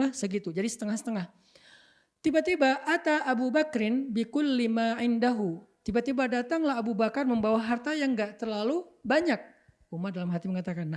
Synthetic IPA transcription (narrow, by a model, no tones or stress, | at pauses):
asəɡit̪ud͡ʒadisə̥t̪əŋahsə̥t̪əŋah | t̪ibat̪ibaʔat̪aʔːbubakɾɪnbɪkʊlːimaʕɪndaɦut̪ibat̪ibadat̪aŋlaɦabubakarməmbawaɦart̪ajaŋɡaʔt̪ərlalubaɲak̚ | umadalamɦat̪iməŋat̪akanːa